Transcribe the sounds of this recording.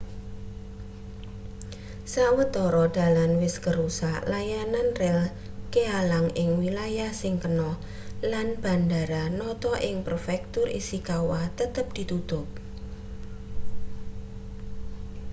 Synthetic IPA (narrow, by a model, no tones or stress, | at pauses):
sawət̪ɔɾɔd̪̥a̤lanwɪskəɾusalajananrɛl | kealaŋɪŋwilajahsɪŋkənɔh | lanb̥a̤ndaɾanɔt̪ɔʔɪŋpərfɛk̚t̪ʊrḭsikawat̪ət̪əp̚d̪̥i̤t̪ut̪ʊp̚